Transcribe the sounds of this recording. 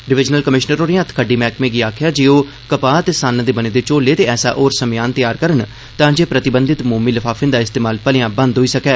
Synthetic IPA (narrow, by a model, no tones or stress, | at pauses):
ɖɪʋɪd͡ʒnəlkəmɪʃnəɾoːɾiãːt̪ʰkʰəɖiːmɛːkmẽːɡiːaːkʰɪjaːd͡ʒiːoː | kəpaːt̪eːsaːnːd̪eːbəneːd̪eːt͡ʃoːleːt̪eːɛːsa̰ːʔoːɾsəmɪjaːnt̪əjaːɾkəɾən | t̪ãːd͡ʒeːpɾət̪ɪbənd̪ɪt̪muːmiːləfʰaːfʰɪnd̪aːɪst̪eːmaːlpəlɪjãːbənd̪ɦoːiːsəkɛː